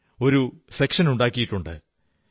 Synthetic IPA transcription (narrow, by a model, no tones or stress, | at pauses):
o̞ɾusekʂɐnuɳɖaːkːijiʈːuɳɖɨ̰